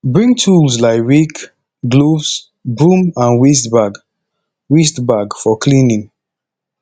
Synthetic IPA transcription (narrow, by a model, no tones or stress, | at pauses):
bɹĩŋtʰuls̬laɪɹik | ɡlovs | bɹũmãnwis̬tbaɡ | wis̬tbaɡfɔklĩnĩŋ